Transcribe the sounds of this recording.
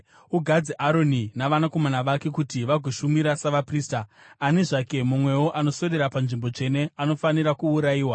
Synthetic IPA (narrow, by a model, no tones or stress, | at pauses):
uɡʱad͡ziʔaɾo̞ninaʋanako̞manaʋake̞kutiʋaɡʱuʃumiɾasaʋapriːstaːneʐake̞mumwe̞wo̞ʔano̞so̞ɾeɾapanʐimbo̞t͡ʂe̞ne̞ano̞faniɾakuːɾajiːwa